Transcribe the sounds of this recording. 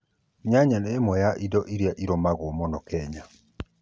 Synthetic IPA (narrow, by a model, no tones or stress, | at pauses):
ɲaɲaneːmwɔjaʔidɔʔiɾiaʔiɾɔmaɣomɔnɔkɛɲa